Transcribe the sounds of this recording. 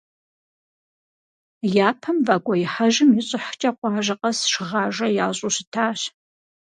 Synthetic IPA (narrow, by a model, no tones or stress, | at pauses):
jaːpʰɐmvaːkʷʼɔjɪħɐʒɪmjɪɕʼɪħt͡ʃʼɐqʷɑːʒɐqʼɐsʃɪʁɑːʒɐjaːɕʼuɕɪtʰaːɕ